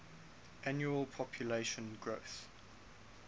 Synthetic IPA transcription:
ʔanjuəlˠpʰɔpʰjuleʃə̃nɡɹoθ

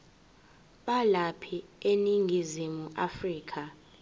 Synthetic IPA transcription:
ɓalapʰieniŋɡʱizimuafriːkʰa

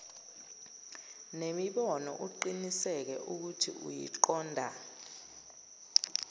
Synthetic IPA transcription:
nemiɓɔnɔ̰ʔuǃinisɛk̬ɛʔuk̬utʰḭṵjḭǃɔːndʱa

